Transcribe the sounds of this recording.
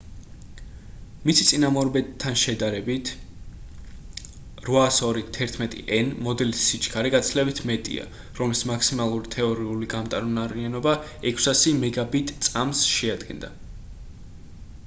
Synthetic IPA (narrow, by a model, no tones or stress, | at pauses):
misit̪sʼinamɔɾbɛt̪ʰːanʃɛd̪aɾɛbit̪ʰ | ɾvaːsɔɾit̪ʰɛɾt̪ʰmɛt̪ʼḭʔɛnmɔd̪ɛlisːit͡ʃʰʼkʰaɾɛɡat̪sʰlɛbit̪ʰmɛt̪ʼḭa̰ | ɾɔmlismakʰsimalˠuɾit̪ʰɛɔɾiuliɡamt̪ʼaɾunaɾianɔba | ɛkʰsasimɛɡabit̪ʼt̪sʼamsʃɛad̪ɡɛ̰nd̪a̰